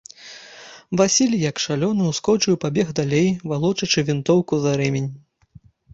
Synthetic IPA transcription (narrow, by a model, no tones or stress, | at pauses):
vasʲilʲjɐkʂalʲɔnɨwskɔt͡ʂɨjpabʲɛɣd̪alʲejvalˠɔt͡ʂɐt͡ʂɨvʲint̪ɔwkuzaɾɛmʲenʲ